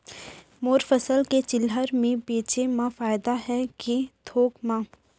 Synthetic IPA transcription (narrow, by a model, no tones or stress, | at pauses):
moːɾfəsəlket͡ʃɪlɦəɾmẽbeːt͡ʃemãfaːjd̪aɦɛket̪ʰoːkmãː